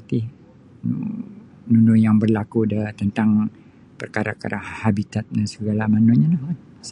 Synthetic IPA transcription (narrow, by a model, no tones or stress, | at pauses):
t̪i | nunʊjaŋbərlakudəht̪ənt̪aŋ | pərkaɾa̰ka̰ɾʔahabit̪at̪̚dansəɡalamanuɲanahn | s